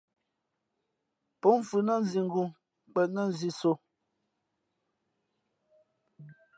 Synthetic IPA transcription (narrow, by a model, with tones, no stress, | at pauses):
pɔ˨˦m˨fu˨nə˦˨n˨zi˨ŋ̩˦ɡu˨ | k͡pɛ˨nə˦˨n˨zi˦so˨